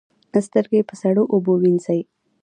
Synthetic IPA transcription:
st̪əɾɡepəsaɽoʔobowinsaj

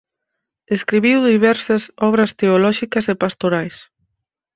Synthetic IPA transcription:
eskɾiβiwðiβɛɾsɐsɔβɾɐst̪eolɔʃikɐsepast̪oɾajs

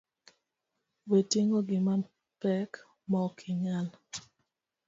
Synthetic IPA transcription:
wetiŋoɡɪman | pɛk | mɔkʰɪɲal

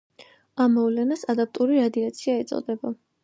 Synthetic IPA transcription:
amːɔvlɛnasad̪ap̚t̪ʼuɾiɾad̪iat̪sʰiaɛt̪sʼɔ̰d̪ɛba

